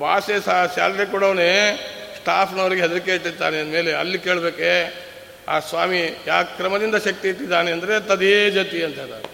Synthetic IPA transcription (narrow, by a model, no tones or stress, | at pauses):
bʱaːsesasa̰ːlɾekuɽɐʋɐneːsʈaːpʰnɐʋɾiɡeɦɛd̪ɐɾikeiʈ̪ːit̪ːa̰ːneɐnd̪me̞ːleɐ̰lːikeːɭbeːke | aːsʋaːmijaːkkɾɐmɐd̪ind̪ɐʃɐk̚t̪iiʈːid̪ːaːneɐnd̪ɐɾet̪ɐd̪eːd͡ʒɐt̪iɐnt̪ɐɾa̰ːɾ